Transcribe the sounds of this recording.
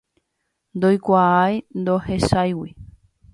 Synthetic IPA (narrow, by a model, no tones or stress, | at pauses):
nd̪ojkʷaajnd̪ohesajwi